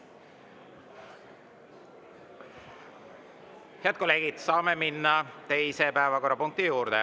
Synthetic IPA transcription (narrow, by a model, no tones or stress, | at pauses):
heɑt̪̚ko̞lːe̞ːɡ̥id̪̥sɑːme̞minːɑt̪e̞jse̞pæevɑko̞ɾrːɑpuŋk̚t̪ijuːɾd̪̥e